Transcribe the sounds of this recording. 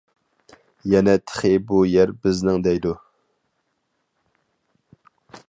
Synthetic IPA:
jɛnɛt̪ʰə̥χɪbujɛɾbɪznɪŋd̪ɛjd̪u

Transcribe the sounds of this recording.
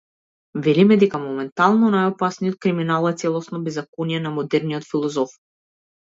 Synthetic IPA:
vɛlimɛd̪ɛkamɔmɛnt̪alˠnɔnajɔpasnijɔt̪̚kɾiminalˠɛt̪sɛlˠɔsnɔbɛzakonijɛnamɔd̪ɛɾniɔt̪filˠɔzɔf

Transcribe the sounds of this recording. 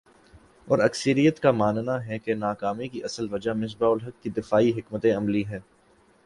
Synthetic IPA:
ɔːɾɐksəɾijət̪kamaːnnaɦɛkenaːkaːmikiʔɐsəlʋɐd͡ʒamɪs̬baʊlɦɐkːid̪ɪfaːiɦɪkmət̪ẽɐmliɦɛː

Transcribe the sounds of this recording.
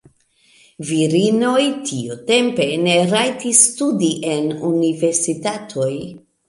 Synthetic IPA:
viɾino̞jtʰiute̞mpe̞ne̞ɾajtisːtudiʔe̞nunive̞ɾsitatʰo̞j

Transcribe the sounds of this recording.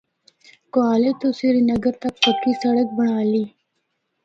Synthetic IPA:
koaːlet̪osiɾinɐɡəɾt̪ɐk̚pəkisɐɽək̚bəɳ̃aːliː

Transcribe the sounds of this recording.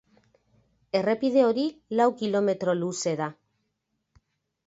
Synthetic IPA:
e̞re̞pið̞e̞o̞ɾilawkilo̞me̞t̪ɾo̞luse̞ða

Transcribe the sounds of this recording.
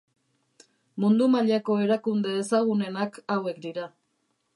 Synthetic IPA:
mund̪umaʎako̞e̞ɾakund̪e̞esaɣune̞nakawe̞kd̪iɾa

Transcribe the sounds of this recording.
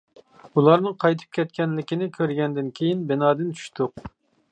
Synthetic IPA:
ulˠɑɾnɨŋqʰɑjt̪ʰɨ̥p̚kʲɛt̪kʲɛnlɪkʲinɪkʲʰøɾɡʲɛnd̪ɪnkʲʰejinbɪnɑːd̪ɪnt͡ʃ̪ʰy̥ʃt̪ʊq̚

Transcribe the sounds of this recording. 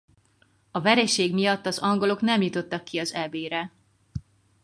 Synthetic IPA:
ɒvɛɾɛʃeːɡmijɒt̪ːɒzɒŋɡo̞lo̞knɛmjut̪o̞t̪ːɒkːiɒzɛbeːɾɛ

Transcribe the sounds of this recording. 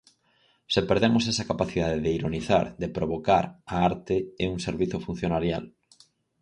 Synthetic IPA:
sepeɾðemosɛsɐkapaθiðaðeðeiɾoniθa̰ɾðepɾoβokaɾaaɾt̪eeuŋseɾβiθofun̟θjonaɾja̰l

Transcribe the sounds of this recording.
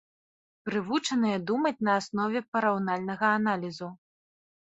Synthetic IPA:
pɾɨvut͡ʂɐnɨjɐd̪umɐt͡sʲnɐːsnɔvʲɛpɐɾawnalʲnɐɣɐːnalʲizu

